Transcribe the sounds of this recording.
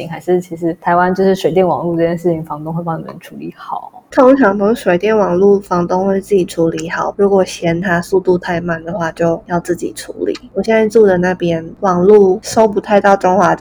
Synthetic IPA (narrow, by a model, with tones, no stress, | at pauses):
i˧˥ŋxa˧˥ɪʂɻ̩˥˩t͡ɕʰi˧˥ʂɻ̩˧˥t̪ʰa˧˥ɪwa˦nt͡ɕjo˥˧ʊʂɻ̩˥˩ʂwe˨˩ɪt̪jɛ˥˩nwɑ̰˨˩ŋlu˥˧ʈ͡ʂɤ˥˩t͡ɕjɛ˥nʂɻ̩˥˩t͡ɕʰi˨˩ŋfɑ˧˥ŋt̪ʊ˥ŋxwe˥˧a˥˩nḭ˨˩ə̰˧˦nʈ͡ʂʰu˧˥li˧˩˦xɑ˨˩˦t̪ʰo˥˧˥ŋt͡ɕʰjɑ˨˥˩ŋt̪o˧˥ʂwe˨˩ɪt̪jɛ˥˩nwɑ˨˩ŋlu˥˩fɑ˧˥ŋt̪ʊ˥ŋxwe˥˧ɪt͡sɹ̩˥˩t͡ɕi˨˩ʈ͡ʂʰu˧˥li˧˥xɑ˨˩˦ʊɻu˧˥kwɔ˨˩ɕjɛ˧˥nt̪ʰa˥su˥˧t̪u˥˧t̪ʰa˥˧ɪma˥˩nd̪ə˩xwa˥˧t͡ɕjo˥˧ʊjɑ˥˧ʊt͡sɹ̩˥˩t͡ɕḭ˨˩ʈ͡ʂʰṵ˧˥lḭ˨˩˦wɔ˨˩ɕjɛ˥˧nt͡sa˥˧ɪt͡su˥˩də˩na˥˩pjɛ˥nwɑ˨˩ŋlu˥˩ʂo˥ʊpu˧˥t̪ʰa˥˧ɪt̪ɑ˥˩ʊʈ͡ʂʊ˥ŋxwa˧˥